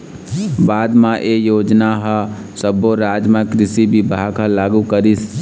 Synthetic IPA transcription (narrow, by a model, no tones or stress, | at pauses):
baːd̪mãʔejoːd͡ʒnaɦə | səboɾaːd͡ʒmẽkɾɪsibibʱaːɡəlaːɡukəɾis